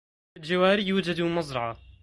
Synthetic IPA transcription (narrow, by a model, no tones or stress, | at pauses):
ald͡ʒawaːɾijːuːd͡ʒad̪umɑzˤɾˤɑʕa